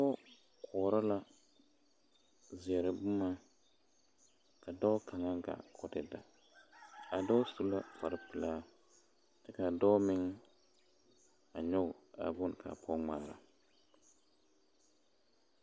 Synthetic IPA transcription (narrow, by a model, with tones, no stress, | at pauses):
dɔ˦ | kʰɔː˨ɾa˦la˦ | zɪ˨ɛ˨ɾɪ˨bʊ˦ma˦ | ka˨dɔ˦kʰa˨ŋa˦ɡa̰˨kʰɔ˨dɪ˨da̰˨ | a˨dɔ˦su˨la˦fa˨ɾɪ˦pɨ˨laː˦ | tɪ˨ka˨dɔ˦mɪ˦ŋ | a˨ɲɔ˦ɡʊ˨a̰˨bʊ˦n˨kʰa̰˨pʰɔ˦ŋ͡maː˦˨ɾa˨